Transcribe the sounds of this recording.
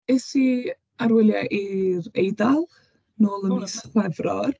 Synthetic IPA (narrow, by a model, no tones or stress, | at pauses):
esi | aɾwɪlˠjaʔiɾejdalˠ | noːlˠəmisɛvrɔr